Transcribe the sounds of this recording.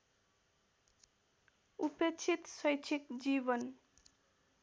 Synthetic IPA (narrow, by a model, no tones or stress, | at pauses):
upet͡ʃʰit̪sʌjt͡ʃʰikd͡ʒibʌn